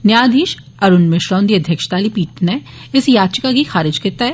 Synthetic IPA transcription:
njaːd̪ʱiːʃ | ɐɾʊnmɪʃɾɔ̃ːnd̪iɐd̪ʱjəkʃt̪aːlipiːʈnɛ | ɪsjaːt͡ʃəkaɡʱixaːɾɪd͡ʒkɪɾt̪aɦɛ

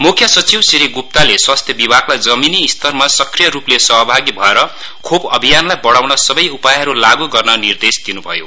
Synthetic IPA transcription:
mukʰjʌsʌt͡siwsiɾiɡup̚t̪aleswast̪ʰjʌbibʱaklajd͡zʌminiːst̪ʰʌrmasʌkrijʌɾuplesʌɦʌbʱaɡibʱʌeɾʌ | kʰobʌbʱijanlajbʌɽawnʌsʌbʌjupajɦʌɾulaɡuɡʌrnʌnird̪esd̪inubʱʌjo̰

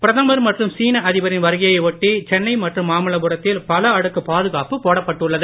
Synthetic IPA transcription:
pɪɾɐðɐmɐɾmɐʈrɯmsiːnɐʔɐðɪʋɐɾɪnʋɐɾɯɣɐjɐɪʋɔʈːit͡ʃɛnːɐɪmɐʈrɯmːaːmɪlɐbɯɾɐt̪ːɪlpɐlɐɐɽɯkːɯpaːðɯɣaːpɯpoːɽɐpːɐʈːɯɭːɐðɯ

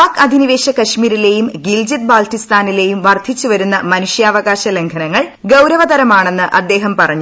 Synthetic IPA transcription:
aːkɐd̪ʱiniʋeːɕɐkɐɕmiːɾile̞jumɡild͡ʑit̪̚baːltist̪aːnile̞jumʋɐrd̪ʰʱit͡ɕːuʋɐɾunːɐmɐnuʂjaːʋɐɣaːɕɐle̞ŋkʰɐnɐŋːɐɭɡɐwɾɐʋɐd̪ɐɾɐmaːɳe̞nːɨʔɐd̪ːe̞ːɦɐmpɐrɐɲːu

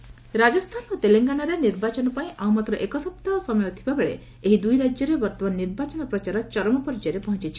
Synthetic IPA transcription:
ɾad͡ʒɔst̪ʰanut̪eleŋɡanaɾeniɾbat͡ʃɔnɔpaĩʔawmat̪ɾɔʔekɔsɔp̚t̪asɔmɔjɔt̪ʰibabeɭe | eɦid̪ujɾad͡ʒjɔɾebɔɾt̪ɔmanniɾbat͡ʃɔnɔpɾɔt͡ʃaɾɔt͡ʃɔɾɔmɔpɔɾd͡ʒɔɾepɔɦɔ̃nt͡ʃit͡ʃʰi̥

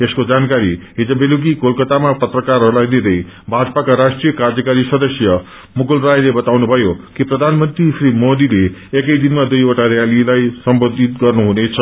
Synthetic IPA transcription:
eskod͡zankaɾiɦid͡zʌbeluɡikolkʌt̪amapʌt̪rʌkarɦʌɾulajnid̪ʌj | bʱad͡zpakaɾasʈrijʌkard͡zʌkaɾisʌd̪ʌsjʌ | muɡulrajlebʌt̪awnubʱʌjokiprʌd̪ʱanmʌnt̪risrimod̪ileekʌjd̪inmad̪ujoʈaɾjalilajsʌmbod̪ʱit̪̚ɡʌrnuɦunet͡sʰʌ

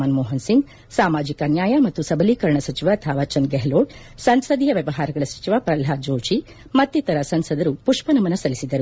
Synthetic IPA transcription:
aːnmoːɦɐnsiŋɡ | saːmaːd͡ʒikɐnjaːjɐmɐt̪ːusɐbɐliːkɐɾɳɐsɐt͡ʃiʋaɐt̪ʰɐʋaːt͡ʃɐnɡeɦloːʈ | sɐnsɐd̪iːjɐʋjɐʋɐɦaːɾɐɡɐɭɐsɐ̥t͡ʃiʋapɾɐlɦaːd͡ʒoːt͡ʃi | mɐt̪ːit̪ɐɾɐsɐnsɐd̪ɐɾupuʂpɐnɐmɐnɐsɐlisid̪ɐɾu

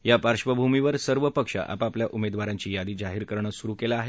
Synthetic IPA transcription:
japaɾʂʋəbʱumiʋəɾsəɾʋəpəkʂa̰ʔa̰papljaʔumed̪ʋaɾãɲt͡ɕiːjad̪iːd͡zaɦiːɾkəɾɳəsuɾukelaːɦe

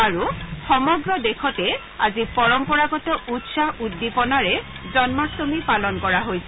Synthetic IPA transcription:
aɹuxɔmɔɡɹɔdekʰɔtɛ | a̰zipɔɹɔmpɔɹaɡɔtɔʔutsahudːipɔnaɹɛ | zɔnmak̚tomipalɔnkɔɹaɦojsɛ

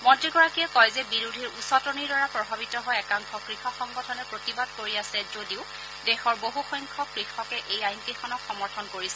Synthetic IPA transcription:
mɔtɹiɡɔɹakijɛkɔjzɛbiɹudʱiɹusɔtɔniɹdaɹapɹɔbʱabitɔɦɔjɛkaŋkʰɔkɹixɔxɔŋɡɔtʰɔnɛpɹotibad̚koɹiasɛzodiʊ | dɛxɔɹboɦuxɔjŋkʰɔkɹixɔkɛʔejajnkixɔnɔkxɔmɔɹtʰɔnkoɹisɛ

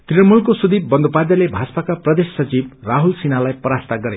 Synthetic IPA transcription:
t̪riʌnmulkosud̪ibbʌnd̪upad̪jʌlebʱaspakaprʌd̪esːʌt͡sibraɦulsinalajpʌɾast̪aɡʌɾe

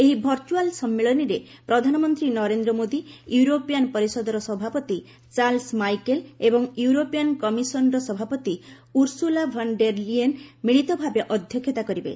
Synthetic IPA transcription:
eɦibʱɔɾt͡ʃualsɔmːeɭɔniɾe | pɾɔd̪ʱanɔmɔnt̪ɾinɔɾend̪ɾɔmod̪ijuuɾopijanpɔɾisɔd̪ɔɾɔsɔbʱapɔt̪i | t͡ʃalsmajkelebɔŋjuuɾopiankɔmisɔnɔɾɔsɔbʱapɔt̪i | uɾsulabʱɔɳɖeɾlienmiɭit̪ɔbʱabeʔɔd̪ʱjɔkʰːjɔt̪akɔɾibḛ

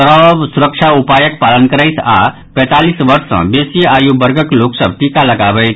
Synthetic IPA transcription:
ɾəbsuɾəkt͡ʃʰaupajək̚palənkəɾəjt̪ʰa̰ | pɛ̃t̪alisʋəɾsə̰̃besijəajubəɾɡəkloksəb̚ʈikaləɡabəjt̪ʰ

